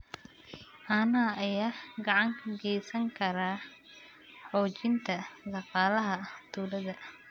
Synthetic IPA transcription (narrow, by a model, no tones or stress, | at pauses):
ʔaːnɐʔɐjaːɡɐʕɑŋkʰɐɡɛjsɐŋkʰɐɾaː | ħɔːt͡ʃɪnt̪ʰɐd̪ɑqɑːlɐɦɐt̪ʰuːɾɐðɐ